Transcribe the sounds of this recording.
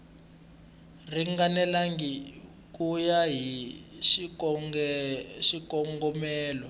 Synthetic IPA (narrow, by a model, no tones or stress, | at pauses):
riŋɡanɛlaŋɡi | kujaɦiʃiɔ | ʃikɔŋɡɔmɛːlɔ